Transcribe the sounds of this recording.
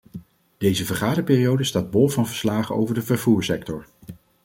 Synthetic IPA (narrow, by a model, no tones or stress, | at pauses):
d̥ejzəvəɹχaːdəpɪːrijowdəstaːd̚bɔlˠvɑnvəɹslaːχəo̰wvəɹdəvəɹvuːɹsɛktɔɹ